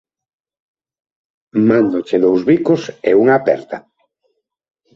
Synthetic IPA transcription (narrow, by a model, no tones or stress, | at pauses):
mãnd̪ot͡ʃeðowzβikoseuŋaːpɛ̰ɾt̪a